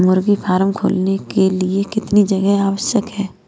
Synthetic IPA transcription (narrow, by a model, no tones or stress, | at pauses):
mʊɾɡifʰaːɾəmkʰo̰ːlnekeliekɪt̪nid͡ʒɐɡɛɦaːʋəʃjəkɦɛː